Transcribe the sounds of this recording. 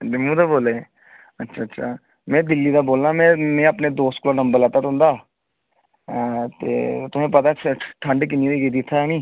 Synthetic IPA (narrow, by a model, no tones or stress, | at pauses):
emũːd̪aːboːleː | ətːʃʰaːtːʃʰaː | mɛ̃ːd̪ɪlːiːd̪aːboːlnãːmɛ̃ːmẽːəpneːd̪oːst̪klãːnəmbəɾlɛːt̪at̪ʊ̃nd̪aː | t̪ḛːt̪ʊsẽːpət̪aːʈʰəɳɖk̬ɪnid̪iːɡed̪iːt̪ʰːaniː